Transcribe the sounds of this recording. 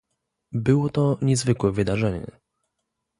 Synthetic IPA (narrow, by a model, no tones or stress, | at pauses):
bɘwɔt̪ɔɲɛzvɘkwɛvɘd̪aʐɛɲɛ̰